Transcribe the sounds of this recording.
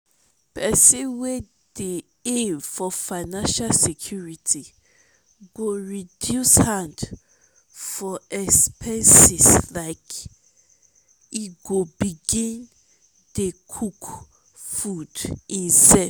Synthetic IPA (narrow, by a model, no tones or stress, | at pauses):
pʰɛsĩwe | d̥e | evfɔfaɪnãnʃalsekʰjuɹitʰi | ɡoɹidjushãnd | fɔɛspʰɛ̃nsislaɪk | iɡobiɡĩn | dekʰuk | fudĩnsɛ